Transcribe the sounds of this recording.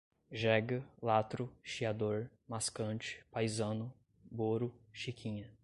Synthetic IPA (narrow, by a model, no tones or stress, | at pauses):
ʒɛɡɐlat̪ɾʊʃiad̪oɾ | maskɐ̃nt͡ʃɪ̥pajzɐ̃nʊ | boɾʊʃikʰĩɲɐ